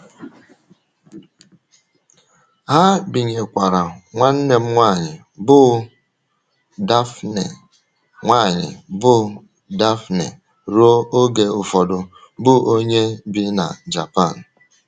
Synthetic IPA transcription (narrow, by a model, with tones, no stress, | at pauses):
ɦa˦bi˨ɲe˨kʷa˨ɾa˨ŋʷa˦n̩˦ne˨m̩˦ŋʷa˦˨ɲɪ˨ | bʊ˦ | da˦fne˨ | ŋʷaː˦˨ɲɪ̰˨bʊ˦ | da˦fnḛ˨ | ɾo˦o˦ɡe˨ʊ˨fɔ˨dʊ˨ | bʊ˦o˦ɲe˦bi˦na̰˨d͡ʒa̰˨pa˦˨n̩˨